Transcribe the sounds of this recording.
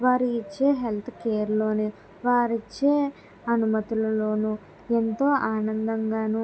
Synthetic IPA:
ʋaːɾuit͡ʃːe̞ːɦe̞lt̪ʰkeːɐɾlo̞ːneː | ʋaːɾit͡ʃːe̞ː | ɐnumɐt̪ulɐlo̞ːnu | ent̪o̞ːʔaːnɐnd̪ɐŋɡaːnu

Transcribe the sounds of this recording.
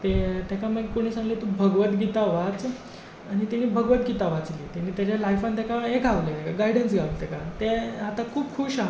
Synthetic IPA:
t̪et̪jakaməɡkoɽ̃iːsãŋɡlet̪ubʱəɡʋət̪ɡit̪aʋat͡s | aɽ̃it̪aniːbʱəɡʋət̪̚ɡit̪aʋat͡sliːt̪añiːt̪jat͡ɕjalajfant̪jakaɦeɡʱaʋlet̪ekaɡaiɖənsɡʱaʋlit̪ɛkat̪eat̪akʰuːpkʰuɕa

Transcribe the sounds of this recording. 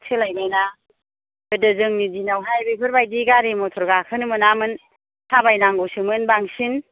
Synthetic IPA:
sʰelajbajna | bɯdɯzɯŋnidinawɦajbejpʰɯɾbajdiɡaɾimɔtʰɔɾɡakʰɯnɯmɯnamɯn | hʰabajnaŋɡɔsɯmɯnbaŋsin

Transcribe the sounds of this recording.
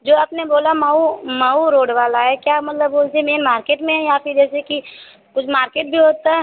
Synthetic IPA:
d͡ʒoːɐpneboːlamaumauɾoːɽʋaːlaɦɛkjaːmɐt̪ləbboːlt̪emeːnmaːɾkeːʈmẽɦɛjaːpɪɾd͡ʒɛːseki | kʊt͡ʃʰmaːɾkeːʈ̚bʱiɦoːt̪aɦɛ

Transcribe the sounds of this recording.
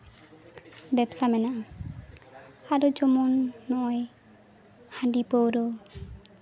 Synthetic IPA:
bɛbsamɛnaʔa | aɾɔd͡ʒɔmɔnːɔʔɔj | hãɳɖipowɾɔ

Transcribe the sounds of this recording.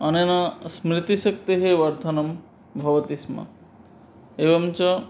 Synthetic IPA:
ɐnenɐsmɾit̪isɐkt̪eɦeʋɐɾt̪ʰɐnɐm | bʱɐʋɐt̪ismɐ̰ | eʋɐmt͡ʃɔ

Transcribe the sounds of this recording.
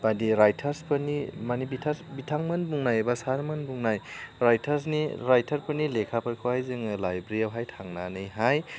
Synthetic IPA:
badiɾajtʰɐɾspɐnimanibitʰasbitʰaŋmɐnbuŋnajebasaɾmɐnbuŋnajɾajtʰɐɾsniɾajtʰɐɾpɐnilekʰapʰɐɾkʰawhajzɯŋɯlajbɾiawɦajtʰaŋnanɯjɦaj

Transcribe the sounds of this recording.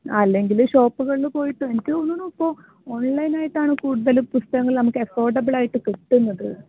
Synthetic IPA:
ɐlːe̞ŋɡilɕo̞ːpːuɣɐɭinɨpo̞ːjiʈːɨenikːɨonːunːuɐpːoː | oɳlɐjnaːjiʈːaːɳɨkuːɽuðɐlumpust̪ɐɣɐŋːɐɭnɐmukːɨɐfo̞ːrɖɐbɨɭaːjiʈːɨkeʈːunːɐðɨ

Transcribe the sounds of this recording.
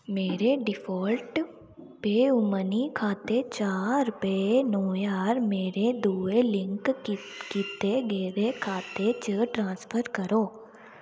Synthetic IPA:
meːɾeɖɪfʰɔːlʈ | peʊmənikʰaːt̪et͡ʃaːɾɾʊpəenɔːjaːɾmeːɾed̪uːelɪ̃ŋkkiːt̪eɡɛːɾekʰaːt̪et͡ʃəːʈɾãːspʰəɾkəɾoː

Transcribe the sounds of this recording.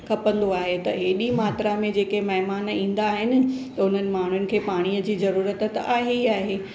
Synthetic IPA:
kʰɐpə̃nd̪oaːɦet̪ɐɦeːɗimaːt̪ɾamẽd͡ʑeːkemɐɦmaːnĩːn̆d̪aːɦɪnɪ̆t̪ɐʊn̤ənɪ̆maːɳ̤ʊnɪ̆kʰeːpaːɽ̃ijəd͡ʑiːzɐɾuːɾət̪t̪aːɦiaːɦeː

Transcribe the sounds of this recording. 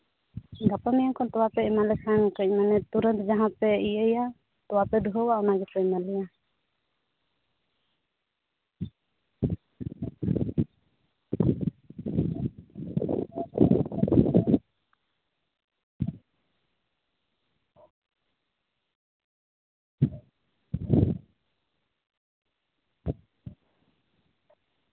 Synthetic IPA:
ɡapamijaŋkʰɔnt̪ɔwapɛɛmalɛkʰaŋkəc̚manɛt̪uɾənt̪d͡ʒaɦãt̪̚pɛiəja | t̪ɔwapɛd̪uɦɔwaʔɔnaɡɛpɛmalɛja

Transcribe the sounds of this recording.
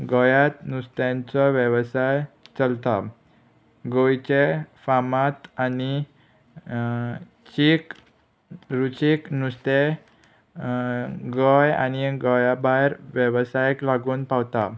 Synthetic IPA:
ɡɔjat̪nust̪jãnt͡sɔʋjəʋsajt͡səlt̪a | ɡojt͡ɕefamat̪ani | t͡ɕik | ɾut͡ɕiknust̪e | ɡɔja̰niɡɔjabaɾʋjəʋsajklaɡuːnpawt̪a

